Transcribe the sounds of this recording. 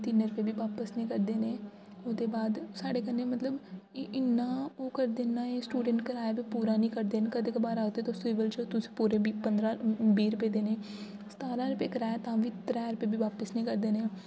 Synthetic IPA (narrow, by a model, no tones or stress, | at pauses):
t̪ɪnɾʊpeːbiːʋaːpəsnĩːkəɾd̪eːneː | oːd̪eːbaːd̪saːɖeːkənːeːmət̪ləbɪnːãːoːkəɾd̪eːnãːeːsʈuːɖəɳʈkəɾaːeːʋiːpuːɾaːnĩːkəɾd̪eːnːkəd̪ɪkbaːɾaːkd̪eːt̪oːsiːʋəlt͡ʃːt̪ʊsĩ̥ːpuːɾeːbipənd̪ɾãːbiːɾʊpeːd̪eːneː | st̪aːɾãːɾʊpeːkəɾaːet̪ãːʋiːt̪ɾɛːɾʊpeːbiːʋaːpəsnĩːkəɾd̪eːneː